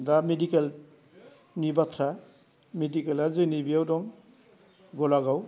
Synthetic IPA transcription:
damedikɛl | nibatʰɾa | medikɛlazɯnibiawdɔŋ | ɡɔlaɡaw

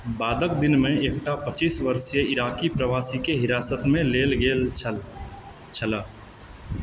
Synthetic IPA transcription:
baːd̪əkd̪ɪnmẽeːk̚ʈapət͡ʃiːsʋəɾʃjeɪɾaːkipɾəʋaːsikeɦɪɾaːsət̪mẽleːlɡeːl | t͡ʃʰəlaː

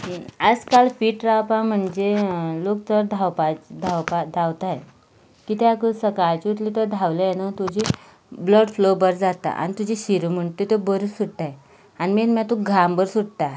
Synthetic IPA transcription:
əd͡zkaɭfiːʈɾawpam̤əɳd͡zelok̚t̪əɾd̪ʱawpad̪ʱawpad̪ʱawt̪aj | kit̪eakəsəkaɭt͡ɕiut̪lit̪əɾd̪ʱawləjenət̪ud͡ʑiː | bləɽflobəɾd͡zat̪a̰ʔa̰ñit̪ud͡ʑiɕiɾum̤əɳt̪et̪obəɾusuɽt̪aje | animinmat̪uɡʱambəɾsuɽt̪a

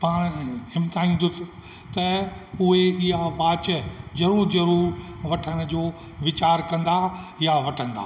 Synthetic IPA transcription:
paːɽ̃ɪmt̪aːĩːn̆d̪ʊsɪ̥̆ | t̪ɐʊɦeɪɦaʋaːt͡ɕəd͡ʑɐɾuːɾd͡ʑɐɾuːɾʋɐʈʰəñ̆d͡ʑoː | ʋɪt͡ɕaːɾkɐ̃nd̪a | jaʋɐʈʰə̃nd̪a̰ː

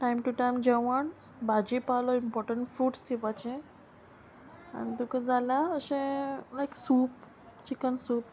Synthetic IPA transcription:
ʈajmʈuʈajmd͡ʑɛʋəɳ | bʱad͡ʑipalɔimpɔɾʈəɳʈfɾuːʈst̪ʰipat͡ɕẽ | a̰nit̪ukəd͡zʱalaəsẽlajksuːp | t͡ɕikənsuːp̚

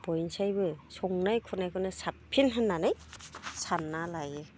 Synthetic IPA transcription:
b̥ɔjnsajbɯsɔŋnajkʰunajkʰɯnɯsappʰinɦɯnːanɯjsʰanːalajɯ

